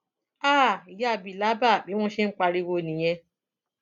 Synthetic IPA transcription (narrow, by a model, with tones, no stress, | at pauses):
aː˦˨i˨ja˧˨bi˨la˨˦ba˦˨k͡pi˨˦w̃ɔ̃˦ʃe˦n̩˦k͡pa˧ɾi˧wo˧˨nĩ˨j̃ɛ̃˧